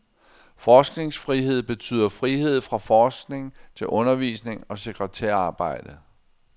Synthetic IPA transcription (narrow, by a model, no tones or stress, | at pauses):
fɒːsɡ̥ne̝ŋsfʁiɦe̝ð̞̰ˠb̥e̝t͡sʰy̰ːðˠɐfʁiɦe̝ð̞̰ˠfʁɑ̈fɒːsɡ̥ne̝ŋt͡sʰe̝lʔɔ̽nɐʋḭːsne̝ŋɒ̽se̝ɡ̥ʰʁɛt͡sʰɛɐ̰ɑ̈ːb̥ɑ̈ɪ̰d̥ə